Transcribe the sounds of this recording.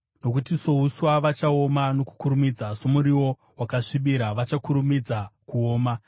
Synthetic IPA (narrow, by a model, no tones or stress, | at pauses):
no̞kutiso̞uswaʋat͡ʃao̞mano̞ku̥kuɾumid͡zaso̞muɾiwo̞ | wakaʂiɓiɾaʋat͡ʃakuɾumid͡zakuo̞ːma